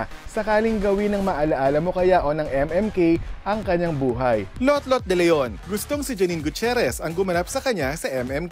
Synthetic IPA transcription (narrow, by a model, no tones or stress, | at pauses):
sɐkaːlɪŋɡɐwinɐŋmɐʔɐlɐʔaːlɐmo̞kɐjaʔo̞nɐŋʔɛmɛmkejʔɐŋkɐɲːaŋbuːɦɐjlot̪lot̪̚d̪ɛlɛjonɡʊst̪oŋsɪd͡ʒɐninɡʊt͡ʃɛɾɛsɐŋɡʊmɐnap̚sɐkɐɲːasɐʔɛmɛmk